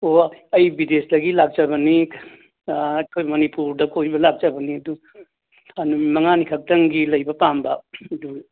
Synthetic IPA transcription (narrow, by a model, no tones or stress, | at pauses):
oɐjbideslɐɡilaɡ̚d͡ʒaβɐni | ɐkʰojmɐnipuɾdɐkʰojbɐlak̚d͡ʒabɐniɐdu | ɐnumɐŋanikʰɐk̚tɐŋɡilɐjbɐpambɐdu